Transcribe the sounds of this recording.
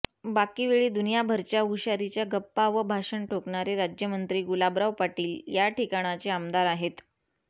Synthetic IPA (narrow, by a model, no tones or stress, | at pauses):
bakiʋeɭiːd̪unijabʱəɾt͡ɕjauɕaɾit͡ɕjaɡəpːaʋəbʱaʂəɳʈʰokɳaɾeɾad͡ʑjəmənt̪ɾiːɡulabɾaʋpaʈiːljaʈikaɽ̃at͡seamd̪aɾaɦet̪